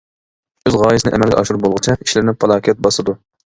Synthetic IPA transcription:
øzʁɑːjɨsɪnɨʔɛmɛlɡʲɛ̰ʔɑʃuɾbolˠʁɨt͡ʃʰɛiʃlɪɾnɪpʰɑlˠɑːkʲiɛt̪̚bɑsɨd̪u

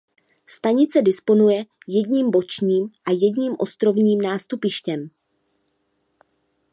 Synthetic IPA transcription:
st̪aɲɪt͡sɛdɪspo̞nujɛ | jɛdɲiːmbo̞t͡ʃɲiːmʔajɛdɲiːmʔo̞st̪ɾo̞vɲiːmnaːst̪upɪʃcɛm

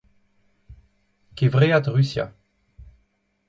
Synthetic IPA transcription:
kevʁeat̪ʁysja̰

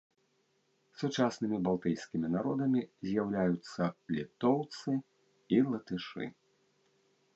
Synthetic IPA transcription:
sut͡ʂasnɨmʲibalˠt̪ɨjsʲkʲimʲinaɾɔd̪ɐmʲizʲjawlʲajut̪sːɐlʲit̪ɔwt̪sɨ | ilˠɐt̪ɨʂɨ̰

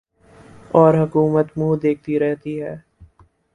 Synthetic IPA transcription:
ɔːɾɦɐkuːmət̪muːd̪eːk̚ʰt̪iɾɛɦt̪iɦɛː

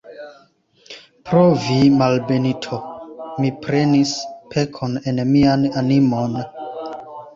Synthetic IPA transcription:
pɾovimalbe̞nitʰo̞mipɾe̞nispʰe̞kʰo̞ne̞nmiananimo̞n

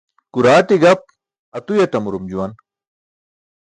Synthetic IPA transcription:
kuɾaːʈiɡɐp̚ | ɐt̪ujɐʈɐmuɾumd͡ʑuwɐn

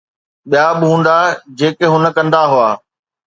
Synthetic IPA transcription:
ɓijabɪɦũːn̆d̪ad͡ʑeːkeɦʊnə̆kɐ̃nd̪aɦuaː

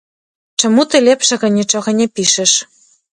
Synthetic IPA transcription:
t͡ʃɤ̆mut̪ĕlʲepʃĕɣɤ̆nʲet͡ʃɤ̆ɣɤ̆nʲĕpiʃĕʃ

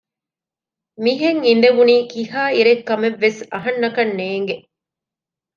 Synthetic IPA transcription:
miɦeŋind̪eʋuniːkiɦaːiɾekːɐmeʋːesɐɦɐnːɐkɐnːeːŋɡe

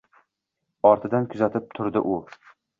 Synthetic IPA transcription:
ɒɾt̪ʰɪd̪ankʰʊzat̪ʰɪp̚t̪ʰʊɾd̪ɪʔʊ

